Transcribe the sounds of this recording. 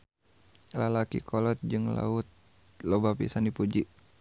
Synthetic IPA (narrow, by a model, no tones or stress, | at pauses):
lalakḭkʰɔlɔt̪̚d͡ʒɨŋla̰ʊt̪̚ | lobapḭsandipud͡ʒiʔ